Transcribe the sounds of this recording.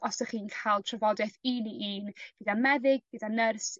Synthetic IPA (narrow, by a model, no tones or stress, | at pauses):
ɔsəχiːnkʰalˠtʰrəvɔdɛθiːniʔiːnɡ̥ədanmɛðɪɡ̚ɡədanːərs